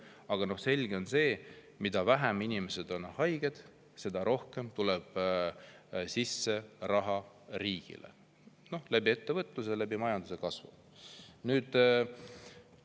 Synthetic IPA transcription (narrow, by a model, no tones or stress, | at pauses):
ɑɡ̥ɑno̞hse̞lʲɡ̥e̞o̞nse̞ː | mid̪̥ɑvæɦæminime̞se̞d̪̥o̞nhɑjɡ̥e̞d̪̥ | se̞d̪ɑɾo̞hke̞mt̪uleb̥ | sisːe̞rɑɦɑ | ɾiːɡ̥ḭlḛ | no̞hlæbie̞t̪ːevɤt̪ːˑus̬elæbimɑjɑnd̪use̞kɑsvṵ | nyːd̪̥